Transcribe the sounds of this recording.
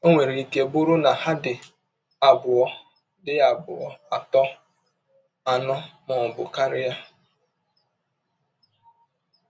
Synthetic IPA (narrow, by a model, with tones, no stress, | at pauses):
o˦ŋʷe˨ɾi˨i˨ke˨bʊ˦ɾʊ˦na˨ha˦dɪ˨ | a˨bʊ˨ɔ˦ | dɪ˦a˨bʊ˨ɔ̰˨a˨tɔ˦ | a˨nɔ˦mɔ˨bʊ˨ka˦ɾɪ˦ja˦